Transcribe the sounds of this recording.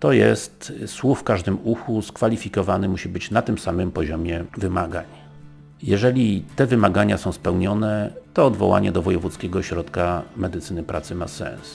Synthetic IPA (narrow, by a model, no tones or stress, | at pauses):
t̪ɔjɛst̪swuffkaʐd̪ɘmuxuskfalʲifʲikɔvanɘmuɕibɘt͡ɕnat̪ɘmsamɘmpɔʑɔmʲjɛvɘmaɡa̰ɲ | jɛʐɛlʲit̪ɛvɘmaɡaɲasɔ̃w̃spɛwɲɔnɛt̪ɔːd̪vɔ̰wa̰ɲɛd̪ɔvɔjɛvut̪skʲɛɡɔɕɾɔt̪kamɛd̪ɘt̪sɘnɘpɾa̰t̪sɘmasɛ̰ns